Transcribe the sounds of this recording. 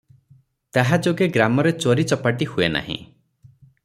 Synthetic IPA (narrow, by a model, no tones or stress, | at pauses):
t̪aɦad͡ʒoɡeɡɾamɔɾet͡ʃoɾit͡ʃɔpaʈihuena̰ɦḭ̃